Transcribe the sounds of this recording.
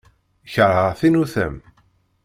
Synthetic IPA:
çəɾˤəʁθinuθə̰m

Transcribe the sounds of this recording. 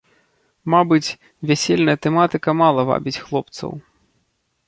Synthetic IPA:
mabɨt͡sʲ | vʲæsʲɛlʲnɐjɐt̪ɛmat̪ɨkɐmalˠɐva̰bʲit͡sʲxlˠɔp̚t̪sɐ̰w

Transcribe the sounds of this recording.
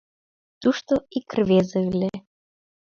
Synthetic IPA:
t̪uʃt̪oikrvezəlʲe

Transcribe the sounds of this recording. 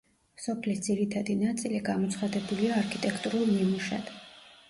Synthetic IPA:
sɔpʰlisd̪ziɾit̪ʰad̪inat̪sʼiliɡamɔt̪sʰχad̪ɛbuliaːɾkʰit̪ʼɛkʰt̪ʼuɾulˠmimuʃa̰d̪̥

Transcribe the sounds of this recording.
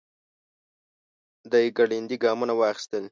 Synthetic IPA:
d̪ɑjɡaɽind̪iɡɑmunawɑxi̥st̪əl

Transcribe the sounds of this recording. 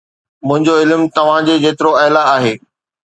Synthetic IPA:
mʊ̃ɦɪ̃ɲd͡ʑoɪlmt̪ɐʋ̤ãd͡ʑed͡ʑeːt̪ɪɾoɐɦlaaːɦeː

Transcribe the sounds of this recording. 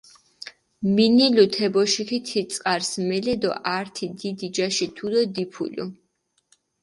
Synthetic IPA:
minilut̪ʰɛbɔʃikʰit̪ʰit̪sʼqʼaɾsmɛlɛd̪ɔ̰ʔaɾt̪ʰid̪id̪id͡ʒaʃit̪ʰud̪ɔd̪ipʰṵlṵ

